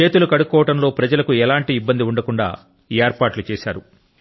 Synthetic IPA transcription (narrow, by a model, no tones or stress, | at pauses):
e̞ːt̪ulukɐɽukːɔːʋɐʈɐmlo̞ːpɾɐd͡ʒɐlɐkuɛlaːɳʈiːbːɐnd̪iuɳɖɐkuɳɖa̰ː | eːɾpaːʈlut͡ʃɛːʃa̰ːɾu